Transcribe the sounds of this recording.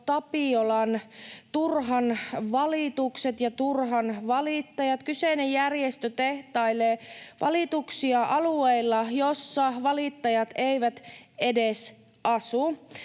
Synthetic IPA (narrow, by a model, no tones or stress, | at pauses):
t̪ɑpiolɑnt̪urɦɑnʋɑlit̪ukset̪jɑt̪urɦɑnʋɑlit̪ːɑjɑt̪kyseinejjærjest̪øt̪eht̪ɑileːʋʔɑ̰lit̪uksiɑʔɑlueilːɑjosːɑʋɑlit̪ːɑjɑt̪eiʋæt̪edes | ʔɑsu